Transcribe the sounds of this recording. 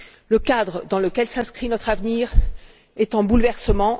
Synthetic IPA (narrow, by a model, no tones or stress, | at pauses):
ləkad̪ʁəd̪ɑ̃ləkʲɛlsɛ̃skχinɔt̪χavniːʁ | ɛt̪ɑ̃bulvɛʁsəmɑ̃